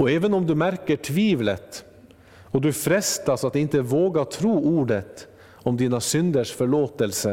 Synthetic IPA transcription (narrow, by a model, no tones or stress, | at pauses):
ɔɛːʋənɔmd̪ʉmæɾkəʈʰʋiːʋlət̪ | ɔd̪ʉfɾɛst̪ɑsɑt̪̚ɪnt̪əʋoːɡɑɾt̪ʰɾuːʔuːɖət̪ | ɔmd̪iːnəsʏnd̪əʂfɔɭoːt̪əlsə